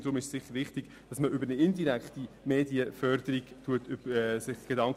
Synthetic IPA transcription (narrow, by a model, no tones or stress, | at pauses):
ɾʊmɪʃsɪχəɾʋɪχtiɡ̥ | d̥ɑsməʔʏbəɾnəɪndiɾækχti | meːdiəfœɾd̥əɾiɡ̥tʰuətʏbɛsɪχɡ̥edɑŋk